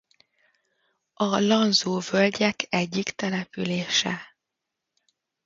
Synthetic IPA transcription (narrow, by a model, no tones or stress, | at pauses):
ɒlɒnzoːvølɟɛkʰɛɟːikt̪ɛlɛpyleːʃɛ̰